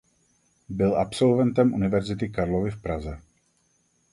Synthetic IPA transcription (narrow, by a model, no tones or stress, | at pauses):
bɪlapso̞lvɛnt̪ɛmʔunɪvɛɾzɪt̪ɪkaɾlovɪfpɾazɛ